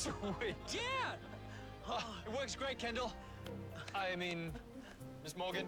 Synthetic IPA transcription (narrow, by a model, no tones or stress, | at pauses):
swɪjæ | ɪt̚wɜˑ˞ksɡ̥ɹeɪt̚kʰɛ̃ndl̩ˠ | aɪmĩn | mɪsmɔːɡɨ̃n